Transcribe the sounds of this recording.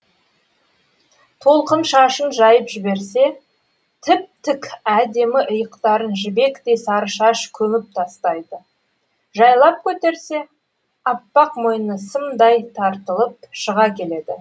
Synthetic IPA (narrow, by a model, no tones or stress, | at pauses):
t̪ʰo̞lˠqənʃɑʃənʒɑjəpʒɪbe̞ɾse̞ | t̪ʰɪp̚t̪ɪkʲæd̪e̞mɪʔʊjəqt̪ɑɾənʒɪbe̞kt̪e̞jsɑɾəʃɑʃkʲʰɵmɪp̚t̪ʰɑst̪ɑjd̪ə | ʒɑjlˠɑp̚kʲʰɵt̪e̞ɾse̞ | ɑpːɑqmo̞jənəsəmd̪ɑjt̪ʰɑɾt̪əlˠəp̚ʃəʁɑkʲʰe̞le̞d̪ɪ̰